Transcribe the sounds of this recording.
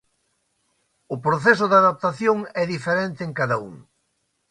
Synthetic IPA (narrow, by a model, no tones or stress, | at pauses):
ʊpɾoθɛsʊðaðap̚t̪aθjoŋɛðifeɾent̪ɪːŋkaðɐṵŋ